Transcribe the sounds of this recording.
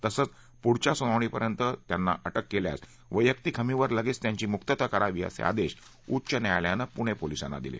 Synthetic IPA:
t̪əsəːt͡s | puɽt͡ɕasunəʋɳ̃iːpəɾjənt̪ət̪janːa̰ʔəʈəkːelja̰s | ʋəjəkt̪ikʰəmiʋəɾləɡiːt͡st̪jaɲt͡ɕiːmukt̪ət̪əkəɾaʋiːə̰sḛa̰d̪eɕ | utt͡ɕənjajljanəpuɽ̃epolisa̰nːa̰d̪ilḛ

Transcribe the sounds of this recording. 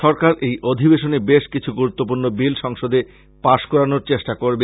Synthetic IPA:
ʃɔɾkaɾejod̪ʱibeʃonebeʃkit͡ɕʰuɡuɾut̪ːop̬uɾnobilʃɔŋʃod̪e | paʃkɔɾanoɾt͡ɕeʃʈakoɾbe

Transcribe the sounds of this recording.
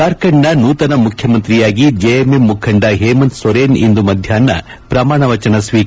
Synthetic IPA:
aɾkɐɳːɐnuːt̪ɐnɐmukʰjɐmɐnt̪ɾijaːɡid͡ʒejememːukʰɐɳɖɐɦeːmɐnt̪sʋɐɾeːnḭnd̪umɐd̪ʱjaːnːɐ̰ | pɾɐmaːɳɐʋɐt͡ʃɐnɐsʋiː

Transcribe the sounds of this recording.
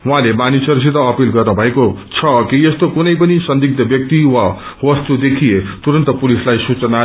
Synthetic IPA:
ɦwɦãlemanisʌɾs̬it̪ʌʌpilɡʌrnʌbʱʌekot͡sʰʌkiest̪okunʌjpʌnisʌnd̪ik̚t̪ʌbjʌk̚t̪iwa | wʌst̪ud̪ekʰijet̪uɾʌnt̪ʌpulislajsut͡sʌna

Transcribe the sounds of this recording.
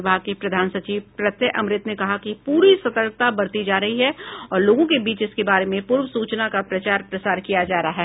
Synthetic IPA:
bʱaːkepɾɐd̪ʱaːnsɐt͡ʃiːʋpɾɐt̪jəʔɐmɾɪt̪nekɐɦakipuːɾisɐt̪əɾk̚t̪abɐɽt̪id͡ʒaːɾɐɦiɦɛɔːɾloːɡõkebiːt͡ʃɪskebaːɾemẽpuːɾwəsuːt͡ʃnakapɾɐt͡ʃaːɾpɾɐsaːɾkijad͡ʒaːɾɐaɦɛː

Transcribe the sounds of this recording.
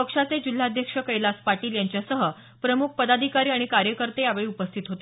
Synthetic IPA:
pəkʂat͡sed͡ʑil̤ːad̪ʱjəkʂəkəjlaspaʈiːljaɲt͡ɕjasəɦə | pɾəmuk̚ʰpəd̪ad̪ʱikaɾiːaɽ̃ikaɾjəkəɾt̪ejaʋeɭiːupəst̪ʰit̪ɦot̪e

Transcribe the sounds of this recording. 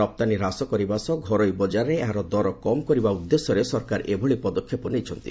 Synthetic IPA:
ɔp̚t̪aniɾasɔkɔɾibasɔɡʱɔɾɔjbɔd͡ʒaɾːeeɦaɾɔd̪ɔɾɔkɔmkɔɾibaud̪ːesɔɾesɔɾkaɾʔebʱɔɭipɔd̪ɔkʰːjepɔnejt͡ʃʰɔnt̪ḭ

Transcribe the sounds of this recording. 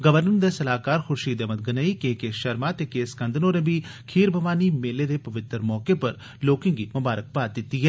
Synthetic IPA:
ɡəʋəɾnəɾd̪eːsəlaːkaːɾxʊɾʃiːd̪emət̪̚ɡənaːikeːkeːʃəɾmaːt̪eːkeːskə̃nd̪ʱənõːnẽbikʰiːɾbʱəʋaːniːmeːleːd̪eːpɐʋɪt̪ːəɾmɔːkepɐɾ | loːkɪ̃ːŋɡimʊbaːɾək̚paːt̪̚d̪ɪt̪ːiːɦɛː

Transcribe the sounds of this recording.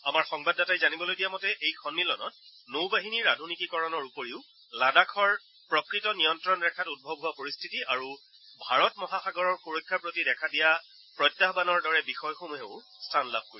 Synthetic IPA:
amaɹxɔŋbadːatajzanibɔlojdijamɔtɛʔejkʰɔnːilɔnɔ̰t̚nowbaɦiniɹadʱunikikɔɹɔnɔɹupoɹiʊ | ladakʰɔɹ | pɹɔkɹitɔnijɔntɹɔnɹɛkʰatud̚bʱɔbɦʊapoɹistʰitiaɹu | bʱaɹɔtmɔɦaxaɡɔɹɔɹxoɹokʰːapɹotidɛkʰadija | pɹɔtːaɦbanɔɹdɔɹɛbixɔjxomuɦeʊ | stʰanla̰b̚ʱkoɹi

